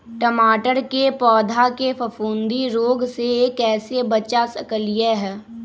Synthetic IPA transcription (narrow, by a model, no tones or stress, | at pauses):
ʈəmaːʈəɾkepɔːd̪ʱakefɐfũːnd̪iɾoːɡsekɛːsebɐt͡ʃasəkəlɪjeɦɛː